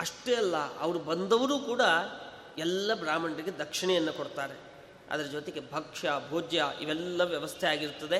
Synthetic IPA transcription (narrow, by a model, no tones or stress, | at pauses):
ɐʂʈeɐlːɐɐʋɐɾubɐnd̪ɐʋɐɾuːkuːɽɐ | ɛlːɐbɾaːmɐɳɖɾiɡe̞d̪ɐkʂiɳɛjɐnːɐkoɽt̪aːɾe̞ | ɐ̰d̪ɐɾɐd͡ʒot̪eɡe̞bʱɐkʂɐbʱoːd͡ʒjɐʔḭʋɛlːɐʋjɐʋɐst̪ʰeaːɡiɾt̪ːɐd̪e̞